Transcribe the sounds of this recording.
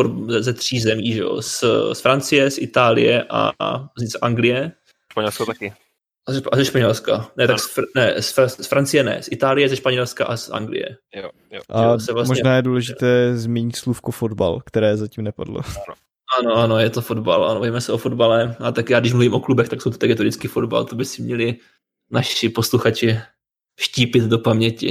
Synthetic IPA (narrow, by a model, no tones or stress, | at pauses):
oɛzɛt̪r̝̥iːzɛmiːʒɛo̰ssfɾant͡sɪjɛsʔɪt̪aːlɪ̰jɛʔa̰zsʔaŋɡlɪjɛ | ʃpaɲɛlskot̪akɪ | zɛazɛʃpaɲɛlskanɛt̪aksfnɛsfassfɾant͡sɪjɛnɛ̰sʔɪt̪aːlɪjɛzɛʃpaɲɛlska̰ʔasʔa̰ŋɡlɪ̰jɛ̰ | ʔaɛsɛvlasmʒɲɛnaːjɛduːlɛʒɪt̪ɛːzmʲjɛɲɪt̪slufkofodba̰lkt̪ɛɾɛːzaciːmnɛpadlo̰ | ʔanoʔanojɛt̪o̞fo̞dba̰lʔa̰nobavimɛsɛʔofodbalɛat̪akjaːɡdɪʃmluviːmʔo̞klubɛxt̪aksowt̪ot̪ɛɡɛt̪oɾɪt͡skiːfodba̰lt̪obɪsɪmɲɛlɪ | naʃɪposluxat͡ʃɪ | ʃciːpɪd̪dopamɲɛcɪ̰